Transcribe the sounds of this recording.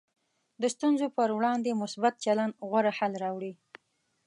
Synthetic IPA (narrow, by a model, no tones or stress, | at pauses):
d̪əst̪unzopəɾwɽɑnd̪emʊsbat̪̚t͡ʃaland̪ɣwaɾahalɾɑwɽi